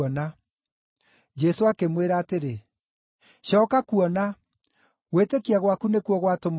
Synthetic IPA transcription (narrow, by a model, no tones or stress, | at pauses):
ɔna | d͡ʒɛsoakemweɾaːteɾe | ɕɔːkakuɔna | ɣwetekiaɣwakunekuɔɣwatom